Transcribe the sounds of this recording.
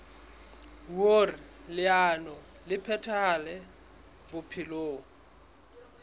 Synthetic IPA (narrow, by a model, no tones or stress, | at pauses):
worilɪanɔ | lɪpʰɛtʰalɛ | bʊpʰɪloːŋ̩